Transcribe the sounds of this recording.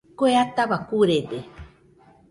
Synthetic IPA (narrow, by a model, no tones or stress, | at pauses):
koeat̪aβakuɾed̪e